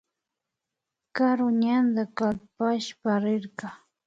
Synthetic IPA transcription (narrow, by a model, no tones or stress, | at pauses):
kaɾʊɲand̪akalpaʃpaɾɪɾkɑ